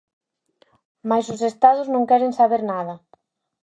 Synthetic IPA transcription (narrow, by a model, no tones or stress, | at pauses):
majsʊsest̪aðʊznõŋkɛɾensaβeɾnaðɐ